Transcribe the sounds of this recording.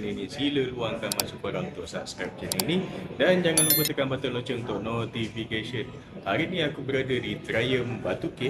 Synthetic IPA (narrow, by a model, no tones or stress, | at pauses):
ninĩsiləluaŋkanmansupəɾaŋunt̪ʊʔsaʔskap̚t͡ʃəninidand͡ʒaŋanməkut̪əkanbat̪əlot͡ʃəŋunt̪ʊʔnot̪ifikesən | haɾinĩakubəɾadədit̪ɾajəmbat̪uke